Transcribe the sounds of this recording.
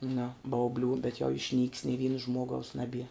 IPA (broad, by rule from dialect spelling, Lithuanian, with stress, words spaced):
nʊ bɐʊˈbʲlʲuː bʲɛt jɛʊ ɪʃʲnʲiːkʲs nʲɪ ˈʋʲiːnɐ ˈʒmuɔɡɐʊs nɐˈbʲiɛ